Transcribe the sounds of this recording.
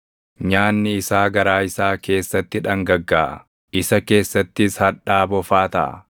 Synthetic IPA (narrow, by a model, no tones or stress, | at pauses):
ɲaːnːɪɪsaːɡɐɾaːɪsaːke̞ːsːɐt̪ːɪᶑɐŋɡɐɡːaːʔɐ̰ | ɪsɐke̞ːsːɐt̪ːɪshɐᶑaːbɔfaːt̪ɐ̰ʔɐ̰